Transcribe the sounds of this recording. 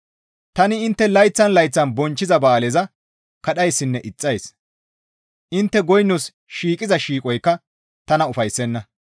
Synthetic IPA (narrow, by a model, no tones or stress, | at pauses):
t̪ɐnɪɪnt̪ːɛlɐjt͡sːɐnlɐjt͡sːɐnbɔnt͡ʃːɪzɐbaːlɛzɐ | kɐɗɐjsːɪnːɛʔɪt͡sʼːɐjs | ʔɪnt̪ːɛɡɔjnːʊs | ʃiːkʼɪzɐʃiːkʼɔjkːɐ | t̪ɐnɐʊfɐjsːɛnːɐ